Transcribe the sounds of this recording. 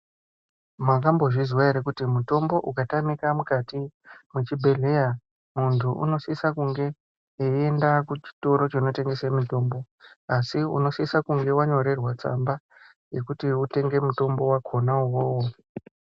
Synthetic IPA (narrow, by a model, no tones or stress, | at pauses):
mak̬ambo̞ʐizwaeɾekutimuto̞mbo̞ʔukatamikamukatimut͡ʃibʱe̞ɮe̞ja | muntʰuṵno̞sisakuŋɡe̞ | eendakut͡ʃi̥to̞ɾo̞t͡ʃino̞te̞ŋɡe̞semito̞mbo̞ | asiṵno̞sisakuŋɡe̞waɲo̞ɾe̞rwat͡sa̰mba | je̞kutiute̞ŋɡe̞muto̞mbo̞wakʰo̞nauwoːwo